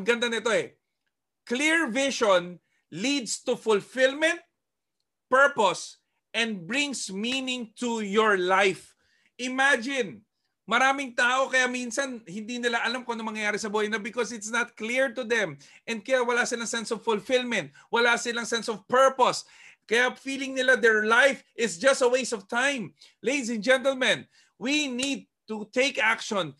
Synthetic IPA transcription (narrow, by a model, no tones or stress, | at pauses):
ɐɡɐnd̪anɪt̪o̞ɛ | kliɹvɪʃon | lid̪st̪ufʊlfɪlmɛ̃nt̪̚ | pɛɹpos | ʔɛ̃nd̪̚bɹɪ̃ŋsminɪŋt̪ujɔɹlajf | ʔɪmad͡ʒɪn | mɐɾaːmɪŋt̪aːʔo̞kɐjaminsɐnhɪnd̪inɪlaʔɐlamkonɐŋmɐŋjɐjaːɾɪsɐbuːhɐjnɐbɪkɔsɪt̪snɐt̪̚kliɹt̪ʊd̪ɛ̃m | ʔɛ̃nd̪̚kɐjawɐlasɪlaŋsɛnsɔvfʊlfɪlmɛ̃nt̪̚wɐlasɪlaŋsɛnsɔvpɛɹpos | kɐjafiːlɪŋnɪlad̪ɛɹlajfʔɪsd͡ʒɐst̪ɐwejsɔvt̪ãjm | lejd̪isɛ̃nd͡ʒɛ̃nt̪əlmɐ̃n | winid̪̚t̪ut̪eɪkakʃɔ̃n